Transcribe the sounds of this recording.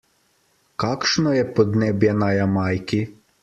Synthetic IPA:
kakʃnɔjɛpɔd̪nɛbjɛnajamajki

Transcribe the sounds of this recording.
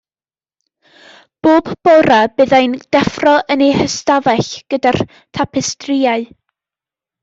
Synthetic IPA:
b̥oːbbɔɾabɨːðajnd̥ɛfrɔənihəstaðɛɬɡ̥ədar | tʰapʰɪstrɪaɨ

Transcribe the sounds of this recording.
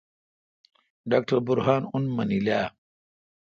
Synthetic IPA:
ɖaːk̚ʈɐɾbuɾɦaːnunmɐnilaː

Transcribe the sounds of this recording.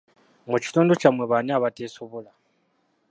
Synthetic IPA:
muci̥tuːndocamweβanaβateːsoβola

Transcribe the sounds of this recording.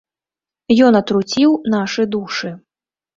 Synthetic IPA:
jɔnɐt̪ɾut͡sʲiwn̪aʂɨd̪uʂɨ

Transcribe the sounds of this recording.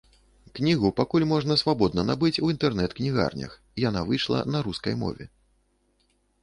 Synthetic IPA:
knʲiɣupakulʲmɔʐnɐsvabɔd̪̚nɐnabɨt͡sʲuint̪ɛrnɛt̪knʲiɣa̰rnʲɐ̰x | janavɨjʂlˠɐ̰nɐɾuskɐjmɔ̰vʲɛ̰

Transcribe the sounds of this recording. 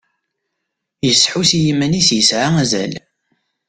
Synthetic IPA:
jəsːħusijimænisjəsʕaæzæ̰l

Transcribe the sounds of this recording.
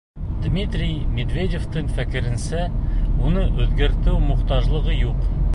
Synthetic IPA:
d̪mʲit̪rʲijmʲed̪vʲedʲeft̪ɤɴfækɘ̆ɾɘ̆nsæunɤʔʉðɡæɾt̪ɘwmŏqt̪ɑʒlˠɤ̆ʁɤjuq

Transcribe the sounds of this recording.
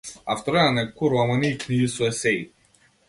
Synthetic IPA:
aft̪ɔɾɛnanɛkuɾamaniːkniɡisuɛsɛi

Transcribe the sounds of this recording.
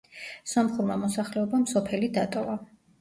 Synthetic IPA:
sɔmχuɾmamɔsaχlɛɔbamsɔpʰɛlid̪at̪ʼɔva

